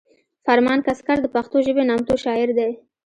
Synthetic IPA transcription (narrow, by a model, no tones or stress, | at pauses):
faɾmɑnkaskaɾd̪əpaxt̪oʒəbenɑmt̪oʃɑɪɾd̪aj